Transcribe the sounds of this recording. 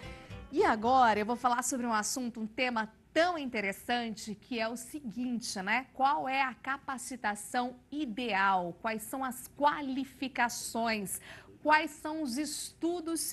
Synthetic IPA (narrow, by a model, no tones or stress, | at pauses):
ɪaɡɔɾɐewvowfalaɾsobɾɪũasũnt̪ʊũt̪ẽmɐt̪ɐ̃w̃ĩnt̪eɾesɐ̃nt͡ʃɪkʰɪɛʊsɪɡĩt͡ʃɪnɛkwawɛɐkapasit̪asɐ̃w̃id̪eawkwajsɐ̃w̃ɐskwalifikasõj̃skwajsɐ̃w̃ʊzɪst̪ud̪ʊs